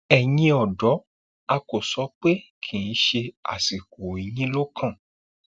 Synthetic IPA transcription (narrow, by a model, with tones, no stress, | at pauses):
ɛ˨j̃ĩ˧ɔ˨dɔ˨˦ | a˧ko˨sɔ˨˦k͡pe˦ | kʰĩ˨ĩ˨˦ʃe˧a̰˨si˨ko˨i˨˦jĩ˦lo˦kʰã˦˨